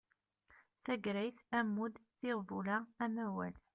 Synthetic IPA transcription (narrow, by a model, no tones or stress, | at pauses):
θæɡɾæjθæmːud̪θɪʁvulææmæwæ̰l